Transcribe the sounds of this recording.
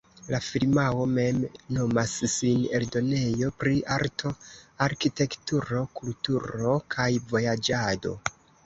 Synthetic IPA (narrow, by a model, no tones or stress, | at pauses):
lafilmawo̞me̞mno̞masːine̞ldo̞ne̞jo̞pɾiʔaɾtʰo̞aɾkite̞ktuɾo̞kultuɾo̞kʰajvo̞jad͡ʒado̞̰